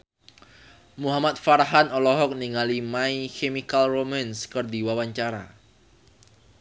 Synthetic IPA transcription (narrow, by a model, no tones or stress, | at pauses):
muɦamat̪̚faɾaɦanɔlɔɦɔk̚niŋalimaikemikalromanskɨrdiwawaɲt͡ʃaɾa̰